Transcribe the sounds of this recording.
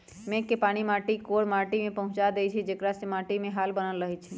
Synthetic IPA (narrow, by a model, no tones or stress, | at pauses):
mẽkːepaːɽ̃imaːʈikoːɽmaːʈimẽpəɦʊ̃t͡ʃad̪et͡ʃʰid͡ʒekɾasemaːʈimẽɦaːlbənəlɾəɦit͡ʃʰi